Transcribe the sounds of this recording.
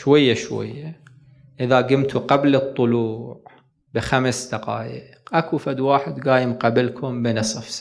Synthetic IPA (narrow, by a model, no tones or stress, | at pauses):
ʃwajːaʃwa̰jːa | ʔɪðaɡɪmt̪uqablɨt̪ˤːʊluːʕ | bɪxamsd̪aqɑ̰ːjəqʔakufad̪waːħɪd̪ɡaːjɪmqabɪlkʰʊmbɪnɨsˤɑfs